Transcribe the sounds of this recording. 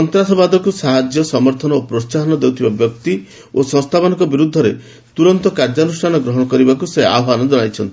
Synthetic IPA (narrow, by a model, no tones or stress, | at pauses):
sɔnt̪ɾasɔbad̪ɔkusaɦad͡ʒjɔsɔmɔɾt̪ʰɔnɔopɾossaɦɔnɔd̪ewt̪ʰibabjɔk̚t̪i | osɔŋst̪ʰabɔnɔkɔbiɾud̪ʱːɔɾḛ | t̪uɾɔnt̪ɔkaɾd͡ʒɔnusʈʰanɔɡɾɔɦɔɽ̃ɔkɔɾibakusea̰bɔanɔd͡ʒɔɽ̃ajt͡ʃʰɔnt̪i̥